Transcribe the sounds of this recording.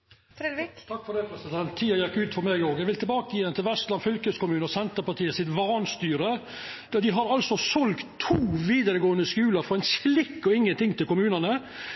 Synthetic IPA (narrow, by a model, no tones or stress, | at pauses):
fɾɛd̪ʋikt̪ʰɑkːfɔɾd̪ɛpʰɾɛsɪd̪ɛnt̪ʰːiːɑjɑɡʉːd̪fɔɾmɛɡoːɡjæɪʋɪlt̪ʰɪlbɑːkəɪjɛnt̪ʰɪlʋɛst̪lɑnfʏlkəskʊmʉːnəɔsɛnt̪əɾpɑt̪ʰiːəsɪt̪ʋɑːnst̪yːɾə | d̪̥ɑd̪ɪɦɑɾɑlsɔsɔlkt̪ʰːuːʋiːd̪əɾəɡoːənəskʉːləɾfɔɾɛɪnslɪkːɔɪŋːənt̪ɪŋːt̪ɪlkʊmʉːnənə